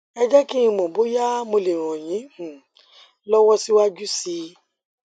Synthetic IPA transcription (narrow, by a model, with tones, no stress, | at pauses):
ɛ˧d͡ʒɛ˦ki˦ĩ˧mõ˨bo˨˦ja˦mo˧le˨ɾ̃ɔ̃˨j̃ĩ˨˦˨ | lɔ˦wɔ˦si˦wa˦d͡ʒu˦si˧˦